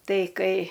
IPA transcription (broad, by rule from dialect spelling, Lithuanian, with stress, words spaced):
ˈtɐɪ ˈkɐɪ